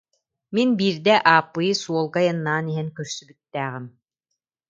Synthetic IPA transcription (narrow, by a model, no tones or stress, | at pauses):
minbiːɾd̪ɛʔaːpːɯjɯsuɔlˠɡajɯnːaːniɦɛnkœɾsybyt̪ːæːʁɘm